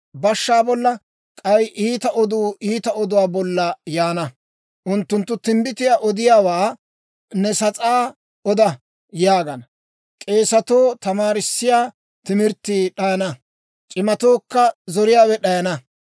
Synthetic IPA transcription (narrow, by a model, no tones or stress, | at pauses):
bɐʃːaːbɔlːɐ | kʼɐjʔiːt̪ɐʔɔd̪uːʔiːt̪ɐɔd̪ʊwaːbɔlːɐjaːnɐ | ʔʊnt̪ːʊnt̪ːʊt̪ɪmbɪt̪ɪjaːʔɔd̪ɪjaːwaː | nɛsɐt͡sʼaː | ʔɔd̪ɐ | jaːɡɐn | kʼe̞ːsɐt̪oːt̪ɐmaːɾɪsːɪjaː | t̪ɪmɪɾt̪ːiːɗɐjɐnɐ | t͡ʃʼɪmɐt̪oːkːɐzɔɾɪjaːwɛɗɐjɐnɐ